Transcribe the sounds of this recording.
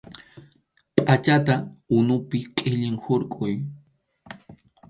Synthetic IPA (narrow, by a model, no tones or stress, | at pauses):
pʼat͡ʃat̪aʊnʊpɪqʼɪʎɪŋhʊɾkʼʊj